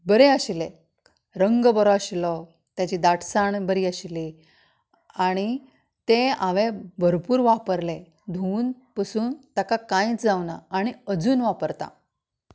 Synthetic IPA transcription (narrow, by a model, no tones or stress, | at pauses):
bəɾeəɕle | ɾəŋɡəbəɾɔaɕlɔ | t̪jat͡ɕiːd̪aʈsaɳbəɾiːəɕli | aɽ̃i | t̪eãʋẽbʱəɾpuːɾʋapəɾle | d̪ʱuːnpəsuːnt̪akakãĩt͡sd͡zawna̰ːɽ̃iəd͡zuːnʋapəɾt̪a̰